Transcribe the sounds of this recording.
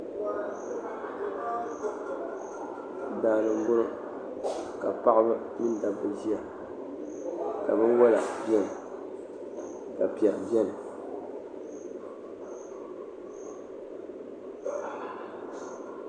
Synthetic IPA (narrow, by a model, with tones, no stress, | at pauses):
daː˨lɨ˨m˦bʊ˦ɾo˦ | ka˨pa˦ʔa˦bɨ˦ | mi˦n˦da˨bɨ˨zi˦a˨ | ka̰˨bɨ˦nwɔ˦la̰˨bjɛ˦nɨ˨ | ka˨pi˨a˨ʔbɛ˦nɨ˨